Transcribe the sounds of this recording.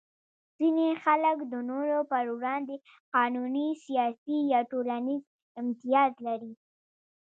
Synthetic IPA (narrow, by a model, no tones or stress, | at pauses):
z̥inexaləkd̪ənoɾopəɾwɾɑnd̪e | qɑnunisijɑsijɑʈolaniz | ɪmt̪ijɑzlaɾi